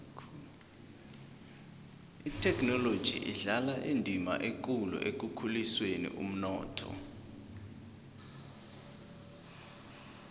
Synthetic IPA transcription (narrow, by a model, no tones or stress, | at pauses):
itʰɛkʰnɔlod̥ʒ̥ʱḭʔiɮalaʔendʱima̰ʔek̬ʼulṵʔek̬ukʰuliswenḭʔṵm̩nɔːtʰɔ̰